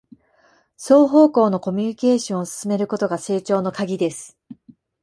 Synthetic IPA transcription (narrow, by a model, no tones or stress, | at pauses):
so̞ːɦo̞ːko̞ːno̞ko̞mʲyɲ̟ike̞ːɕõɰ̃osɨ̥sɨme̞ɾɯ̟ko̞t̪o̞ɡase̞ːt͡ɕo̞ːno̞kaɡʲid̪e̞sɨ̥